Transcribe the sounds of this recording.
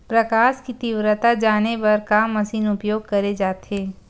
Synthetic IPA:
pɾɐkaːʃkit̪iʋɾət̪ad͡ʒaːnebɐɾkamːɐsiːnʊpjoːɡ̚kɐɾed͡ʒaːt̪ɦeː

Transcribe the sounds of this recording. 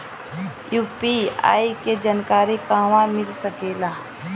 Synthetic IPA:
juːpia̰ːiked͡ʒankaːɾikaːʋãmɪlsəkeːlaː

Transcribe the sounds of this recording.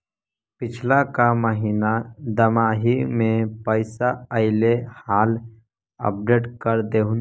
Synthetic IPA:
pɪt͡ʃʰlakaməɦiːnad̪əmaːɦimẽpəɪsaəɪlehaːl | ə̰p̚ɖeːʈkəɾd̪eːũ

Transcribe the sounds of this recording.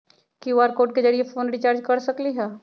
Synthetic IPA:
kiʋaːɾkoːʈked͡ʒɐɽiefʰoːnɾit͡ʃaːɾd͡ʒkɐɾsɐkliɦɛː

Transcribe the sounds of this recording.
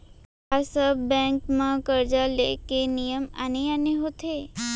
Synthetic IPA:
asəbbɛ̃ŋkmãkəɾd͡ʒalḛkenijəma̰neaneɦot̪ʰe

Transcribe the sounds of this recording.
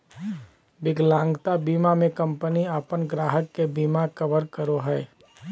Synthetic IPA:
bɪɡlãːŋɡt̪abiːmamẽkə̃mpəniapənɡɾaːɦəkːebiːmakəbəɾkəɾoɦɛː

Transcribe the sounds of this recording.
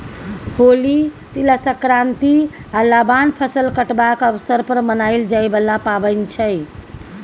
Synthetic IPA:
holi | t̪iləsəkɾant̪ialabanpʰəsəlkəʈbakəbsəɾpəɾmənajld͡ʒajbəlapabənt͡ʃʰəj

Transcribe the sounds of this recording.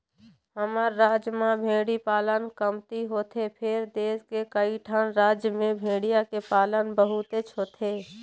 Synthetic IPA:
həməɾːaːd͡ʒjəmãbʱeːɽipaːlənkəmt̪iɦoːt̪ʰepʰɪɾd̪eːskekəiʈʰaːnɾaːd͡ʒjəmẽbʱeːɽijakepaːlənbəɦʊt̪et͡ʃʰɦoːt̪ʰeː

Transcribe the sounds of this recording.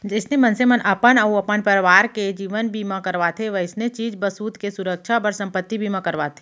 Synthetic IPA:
d͡ʒɪsnemɐnsemɐnʔɐpənɐuɐpənpəɾʋaːɾked͡ʒiːʋənbʱimãkəɾʋat̪ʰeʋɐɪsnet͡ʃiːd͡ʒbəsuːd̪kesʊɾəkʃabəɾsɐ̃mpət̪ːibʱimãkɐɾʋat̪ʰe̥

